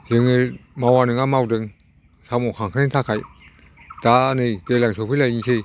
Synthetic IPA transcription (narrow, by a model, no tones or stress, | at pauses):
zɯŋɯmawanɯŋamawdɯŋ | samokʰaŋkʰanat̪ʰakʰaj | d̥anɯjtelaŋsʰopʰɯlajisʰɯj